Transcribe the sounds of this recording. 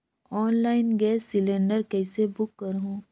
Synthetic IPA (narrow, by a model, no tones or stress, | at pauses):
ɔːnlaːɪnɡɛːsːɪlẽɳɖəɾkɛːsebʊkːɐɾɦũː